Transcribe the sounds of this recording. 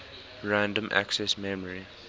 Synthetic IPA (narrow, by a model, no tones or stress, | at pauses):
ɹæ̃ndə̃mʔæ̰ksɛsmɛməɹi